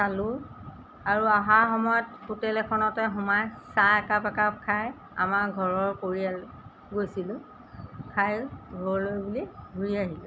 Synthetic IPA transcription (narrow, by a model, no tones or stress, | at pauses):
salʊ | aɹuaɦaɹxɔmɔjɔtkutɛlɛkʰɔnɔtɛɦumajsaɛkapɛkap̚kʰaj | a̰maɹɡʱɔɹɔɹkoɹia | ɡojsilʊ̃ | kʰajɡʱɔɹlojbuliɡʱuɹiaɦilɛ